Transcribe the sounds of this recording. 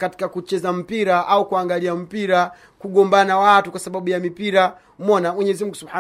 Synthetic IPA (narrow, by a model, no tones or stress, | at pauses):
kati̥kakut͡ʃɛzam̩piɾaʔaukuaŋɡaliam̩piɾa | kuɠɔmbanawatukwasaɓaɓujamipiɾa | m̩ɔnamwɛɲɛzimuŋɡusubħa